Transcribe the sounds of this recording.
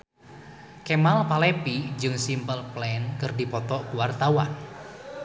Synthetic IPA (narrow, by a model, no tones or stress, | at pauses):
kemalpalepid͡ʒɨŋsimpəlplɛnkərdipɔt̪ɔkuwart̪awan